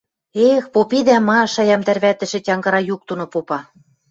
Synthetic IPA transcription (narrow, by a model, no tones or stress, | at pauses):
expopid̪æmɑʃɑjɑmt̪ærβæt̪ɘ̆ʃɘ̆tʲɑŋɡɤ̆ɾɑjuk̚t̪unŏpopɑ